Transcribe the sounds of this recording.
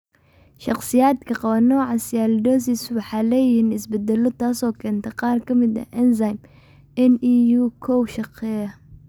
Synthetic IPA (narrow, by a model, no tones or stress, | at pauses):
ʃɑqsɪjaːd̪kʰɐqɑβɐnɔːʕɑsjaːld̪ɔːsiswɑħɑːlɛːjɪhiːnɪsbɛd̪ɛlɔt̪ʰaːsɔːkʰɛːnt̪ʰɐqɑːrkʰɐmɪd̪ɐ̰ʔɛnsajm | ɛnijukʰɔwʃɑqɛɐ